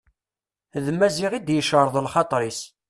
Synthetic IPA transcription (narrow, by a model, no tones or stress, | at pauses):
ðmːæziʁid̪jəʃəɾˤðˤlχɑt̪ˤɾˤis